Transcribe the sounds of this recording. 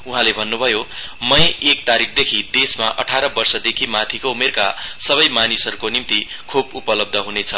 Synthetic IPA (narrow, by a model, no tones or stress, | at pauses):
uɦãlebʱʌnːubʱʌjo | mʌjek̚t̪aɾik̚ʰd̪ekʰid̪esmaʔʌ̰ʈʰaɾʌbʌrsʌd̪ekʰimat̪ʰikoumerka̰sʌβʌjmanisʌɾukonimt̪i | kʰubupʌlʌb̚d̪ʱʌɦunet͡sʰʌ